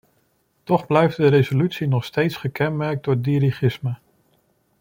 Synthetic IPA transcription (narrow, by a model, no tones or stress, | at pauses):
tɔχblɛjf̚dəɾezolytsinɔχstejtsχəkɛnmɛɹk̚dʊɹdiɾiχɪsmə